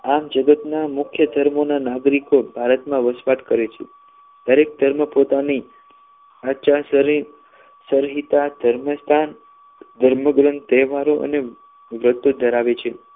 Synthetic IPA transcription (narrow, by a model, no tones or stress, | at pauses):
amd͡ʒəɡət̪namʊkʰjəd̪ʱəɾmonanaɡɾikobʱaɾət̪mãʋəsʋaʈkəɾet͡ʃʰe | d̪əɾek̚d̪ʱəɾməpot̪ani | aʃasəɾ | səɾɦit̪ad̪̥ʱəɾməst̪ʰan | d̪ʱəɾməɡɾənt̪ɛʋaɾoʔə̰ne | ʋɾət̪ːod̪ʱəɾaʋet͡ʃʰe